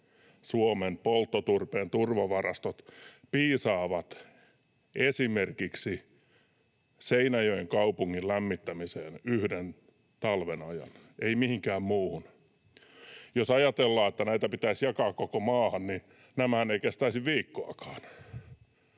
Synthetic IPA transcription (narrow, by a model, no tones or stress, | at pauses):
suomenpolt̪ːot̪urpeːnt̪urʋɑʋɑrɑst̪ot̪piːsɑːʋɑt̪ | esimerkiksi | seinæjøjeŋkɑupuŋːillæmːit̪ːæmiseːnyhden | t̪ɑlʋenɑjɑ̰n | eimihiŋkæːmmuːhun | josɑjɑt̪elːɑːet̪ːænæit̪æpit̪æisjɑkɑːkkokomɑːhɑnni | næmæhæneikest̪æisiʋʋiːkːoɑkɑ̥ːn